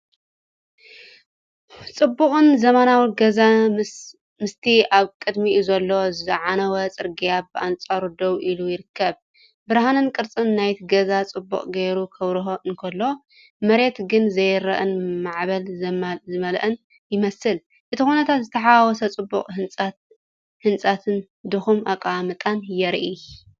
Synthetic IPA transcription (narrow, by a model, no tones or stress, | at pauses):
t͡sʼɨbːuχʼɨnzɐmanawiɡɐza | mɨst̪ʰiaβkʼɨd̪mizɐlːo̞zɨʕanɐwɐt͡sʼɨɾɡijabɨʔant͡sʼaɾud̪owʔilujɪɾɨkʰːɐβ | bɨɾɦanɨnkʼɨɾt͡sʼɨnːajt̪ʰɡɐzat͡sʼɨbːṵχʼɡejɾukʰɐβɾɨɦoʔɨnkʰɐlːo | mɐɾe̞t̪ɡɨnzɐjɾɐ̰ʔɨnmaʕβɐlzɐmzɨmɐlʔɨn | jɪmɐsɨl | ʔɨt̪ʰixunɐt̪ʰat̪zɨt̪ʰɐħawɔsɐt͡sʼɨbːṵkʼhɨnʼat̪ | hɨnt͡sʼat̪ʰɨn | d̪ɨxumʔakʼamɨt̪ʼanjɛɾʔi